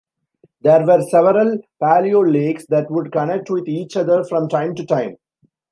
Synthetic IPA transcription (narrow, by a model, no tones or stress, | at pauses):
d̪eːɾʋəɾsɛʋəɾəlpæːlioːleːksd̪æʈʋʊɖkɐnɛk̚ʈʋɪd̪iːt͡ʃʌd̪əɾfɾɔ̃mʈãɪ̃mʈuʈãɪ̃m